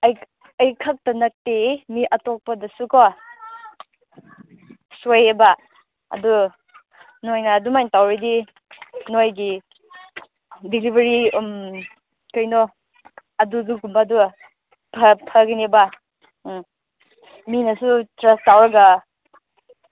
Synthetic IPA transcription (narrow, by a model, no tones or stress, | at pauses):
ɐj | ɐjkʰak̚tɐnɐk̚temiʔɐtok̚pɐdɐsukɔ | sojeba | ɐ̰du | nojnɐːdumajntawɾidi | nojɡi | dilibʱeɾim | kɐjnɔ | ɐduduɡumbadu | pʰɐpʰɐɡineba | minɐsutɾastawɾɐɡɐ